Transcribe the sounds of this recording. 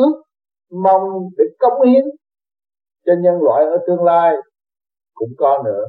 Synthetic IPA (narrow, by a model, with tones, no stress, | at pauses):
ɨ˨˦ | ma˧wŋ͡mɗe˧˩˦kə˨˧˦wŋ͡mʔi˨˧˦ən | t͡ɕɔ˧ɲə˧nlwa̰ː˧˨jʔəː˧˩t̪ɨ˧əŋlaː˧j | kʊ̰˧˥ŋ͡mkɔ˧nɨ̰˧˥ə